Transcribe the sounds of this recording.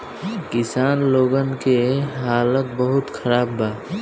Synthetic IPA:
kɪsaːnloːɡənkeɦaːlət̪bəɦʊt̪kʰəɾaːbbaː

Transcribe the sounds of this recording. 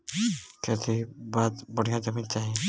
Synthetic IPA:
kɛt̪ʰibaːt̪bəɽ̤ijãd͡ʒəmint͡ʃaːɦiẽ

